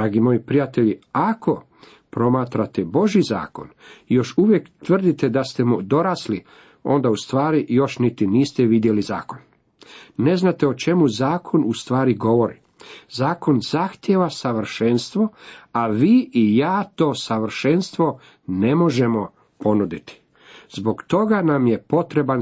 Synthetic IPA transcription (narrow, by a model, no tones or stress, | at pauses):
d̪ɾaːɡimo̞jipɾijat̪e̞ʎiakʰo̞ | pɾo̞maːt̪ɾat̪ebo̞ʒiza̰ːko̞̰njo̞ʃuʋje̞kt̪ʋr̩d̪it̪e̞d̪ast̪e̞mud̪o̞ɾasli | o̞nd̪aust̪ʋaːɾijo̞ʃnit̪iniːst̪eʋid̪je̞liza̰ːko̞n | ne̞znat̪eo̞t͡ʃe̞muzaːkʰo̞nust̪ʋaːɾiɡo̞ʋo̞ɾi | zaːko̞nzaxt̪je̞ʋasaʋr̩ʃenst̪ʋo̞aʋiːijaːt̪o̞ːsaʋr̩ʃe̞nst̪ʋo̞ | ne̞mo̞ʒemo̞ | po̞nud̪it̪i̥ | z̥bo̞ɡt̪o̞ɡanamje̞po̞t̪ɾe̞ban